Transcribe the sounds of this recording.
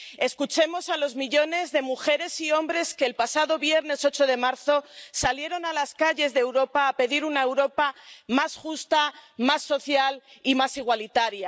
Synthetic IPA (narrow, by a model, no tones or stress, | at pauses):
e̞skut͡ʃe̞mo̞salo̞zmiʎo̞ne̞zðe̞muxe̞ɾe̞sio̞mbɾe̞ske̞ːlpasaðo̞βje̞ɾne̞so̞t͡ʃoðe̞maɾθo̞salje̞ɾo̞nalaskaʝe̞zðewɾo̞paːpe̞ðiɾunaewɾo̞pamasxust̪amasːo̞θjalimasiɣ̞walit̪aɾja